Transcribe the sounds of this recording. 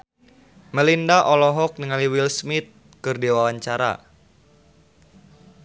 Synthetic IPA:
məlindaʔɔlɔɦɔk̚nəŋaliwilsmɪt̪̚ | kɨrdiwawaɲt͡ʃaɾa̰

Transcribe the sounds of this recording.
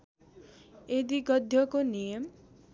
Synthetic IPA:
ed̪iɡʌd̪ʱjʌkonijʌm

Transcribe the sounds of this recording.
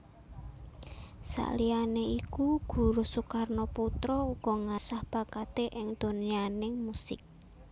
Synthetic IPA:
sa̰lianeikuɡ̥ṳɾosukarnoput̪ɾɔuɡ̥ɔŋasahb̥a̤kat̪eʔɪŋd̪̥o̤nianɪŋmusɪ̰k̚

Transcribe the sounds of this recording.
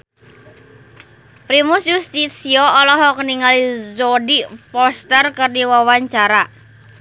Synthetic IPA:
pɾimusjust̪itsiɔɔlɔɦɔkəniŋalizɔdipɔst̪ərkɨrdiwawaɲt͡ʃaɾa

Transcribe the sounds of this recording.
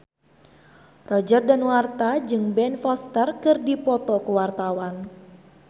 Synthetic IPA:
rɔd͡ʒərdanwart̪ad͡ʒɨŋbɛnfɔst̪ərkɨrdipɔt̪ɔkuwart̪awan

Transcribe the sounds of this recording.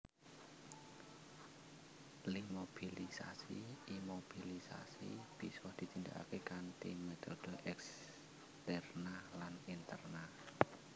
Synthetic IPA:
limob̥ilisa̰sḭimob̥ilisa̰sib̥isɔhd̪̥i̤t̪ind̪a̰ka̰kekant̪ḭmet̪od̪̥oʔɛks | t̪ɛrnalanint̪ərna

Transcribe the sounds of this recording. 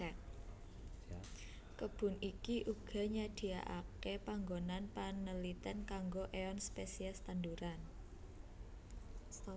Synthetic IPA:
ɛk̚ | kəb̥ʊ̤nikiʔuɡ̥a̤ɲad̥i̤a̰ʔa̰kepaŋɡonanpanəlit̪ɛnkaŋɡoʔeɔnspesiɛst̪anduɾan

